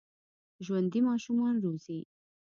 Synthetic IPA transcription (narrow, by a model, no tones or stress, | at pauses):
ʒwand̪imɑʃumɑnɾozi